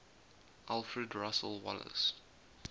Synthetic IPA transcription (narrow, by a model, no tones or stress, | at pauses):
ʔalˠfɹədɹasəlwɔ̰lə̰s